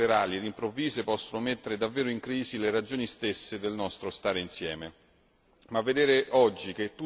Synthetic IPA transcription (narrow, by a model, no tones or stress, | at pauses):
eɾaːlilimpɾovːiːzepɔsːonʊmet̪ːeɾed̪avːeːɾoiŋkɾiːzileɾad͡ʒoːnist̪esːed̪elnɔst̪ɾost̪aːɾeinsjɛːme | mavːed̪eːɾeʔɔd͡ʒːik̟et̪ːu